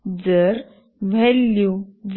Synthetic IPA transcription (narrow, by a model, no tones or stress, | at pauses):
d͡zəɾ | ʋʱɛlːjuʋ